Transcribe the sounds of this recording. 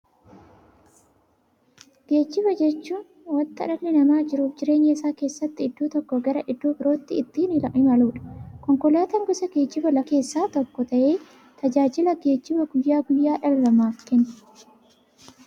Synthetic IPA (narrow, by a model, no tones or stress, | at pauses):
ɡ̥e̞ːd͡ʒːɪbɐd͡ʒɛt͡ʃːuːn | wɐnt̪ɐᶑɐlːɪnɐmaːd͡ʒɪɾuːfd͡ʒɪɾe̞ːɲːɐɪsaːke̞ːsːɐt̪ːɪɪd̪ːuːt̪ɔkːɔɡɐɾɐʔɪd̪ːuːbɪɾo̞ːt̪ːɪɪt̪ːiːnɪlɐʔɪmɐluːᶑɐ̥kɔŋkɔlaːt̪ɐŋɡʊsɐɡe̞ːd͡ʒːɪbɐlɐke̞ːsːaːt̪ɔkːɔt̪ɐʔe̞ː | t̪ʰɐd͡ʒaːd͡ʒɪlɐɡe̞ːd͡ʒːɪbɐɡʊjːaːɡʊjːaːᶑɐlːɐmaːfkɛnː